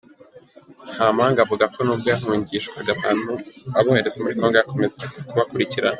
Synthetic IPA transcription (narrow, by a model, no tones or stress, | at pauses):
haːmaːŋɡavuɡakʰo̞nuːb̚ɡoaɦuːɲɟiʃkwaɡaβaːn̥huaβoheɾezemuɾiko̞ːŋɡojako̞me̞zakuβakuɾiciɾana